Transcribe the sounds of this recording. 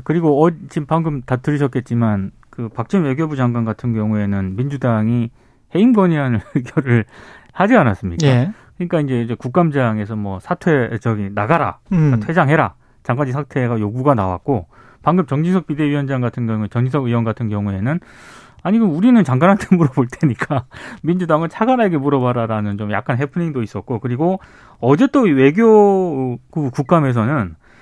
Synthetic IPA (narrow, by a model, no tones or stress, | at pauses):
kɯɾiɡoʌt͡ɕimpaŋɡɯmtatʰɯɾiɕʰʌt̚k͈e̞t̚t͡ɕ͈iman | kɯpak̚t͡ɕ͈inwe̞ɡjobud͡ʑaŋɡwanɡatʰɯnɡjʌŋue̞nɯnmind͡ʑudaŋi | he̞imɡʌɲiɾanɯnweɡjoɾɯɭhad͡ʑianas͈ɯmɲikakɯɲik͈aind͡ʑe̞d͡ʑekuk̚k͈amd͡ʑaŋe̞sʰʌmwʌsʰatʰwe̞d͡ʑʌɡinaɡaɾa̰atʰwe̞d͡ʑaŋɦe̞ɾa̰ | t͡ɕaŋɡaɲd͡ʑisʰatʰe̞ɡajoɡuɡanawa̰k̚k͈o | paŋɡɯp̚t͡ɕʌŋd͡ʑisʰʌk̚pide̞ɥijʌnd͡ʑaŋɡatʰɯnɡjʌŋuet͡ɕʌŋd͡ʑisʰʌɡɯwʌnɡatʰɯnɡjʌŋue̞nɯn | aɲiɡɯmuɾinɯnt͡ɕaŋɡanɦantʰemuɾʌboɭt͈ʰe̞ɲik͈amind͡ʑudaŋɯɭt͡ɕʰaɡanaɡemuɾʌbaɾaɾanɯnt͡ɕomja̰k͈anɦe̞pʰuniŋdois͈ʌt̚k͈okɯɾiɡo | ʌd͡ʑe̞t͈owe̞ɡjo | ɡukuk̚k͈ame̞s̬ʰʌnɯn